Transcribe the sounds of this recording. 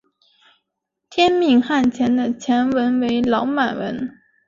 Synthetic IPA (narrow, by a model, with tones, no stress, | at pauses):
t̪ʰjɛ˥nmi˥˩ŋxa˥˩nt͡ɕʰjɛ˧˥nd̪ə˧t͡ɕʰjɛ˧˥nwə˧˥nwe˧˥ɪlɑ˧˥ʊma˨˩nwə̰˧˥n